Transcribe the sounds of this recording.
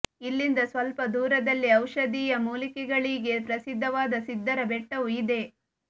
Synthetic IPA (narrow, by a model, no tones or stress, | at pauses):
ilːind̪ɐsʋɐlpɐd̪uːɾɐd̪ɐlːiɐwʃɐd̪iːjɐmuːlikɛɡɐɭiːɡe̞pɾɐsid̪ʱːɐʋaːd̪ɐsid̪ʱːɐɾɐbeʈːɐʋuid̪e̞